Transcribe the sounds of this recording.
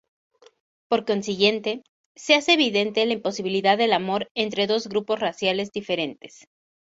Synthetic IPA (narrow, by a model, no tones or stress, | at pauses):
po̞ɾko̞nsiɣje̞nt̪e̞ | se̞ase̞ːβiðe̞nt̪e̞laimpo̞siβiliðaðːe̞lamo̞ɾe̞nt̪ɾe̞ðo̞zɣɾupo̞srasjale̞zðife̞ɾe̞nt̪es